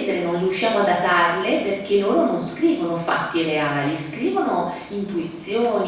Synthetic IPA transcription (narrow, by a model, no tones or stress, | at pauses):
d̪eɾenõnrijuʃːjaːmoad̪at̪arleperk̟elːoːɾononskɾiːvonofa̰t̪ːireaːliskɾiːvono | int̪uit̪sːjoːn